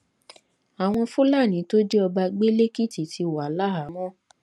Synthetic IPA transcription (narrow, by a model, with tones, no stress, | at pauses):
a˨w̃ɔ̃˧fu˦la˦˨nĩ˨˦to˦d͡ʒɛ˦ɔ˧ba˧ɡ͡be˦le˦ki˦ti˨tʰi˧wa˨˦la˦a˨˦mɔ̃˦˨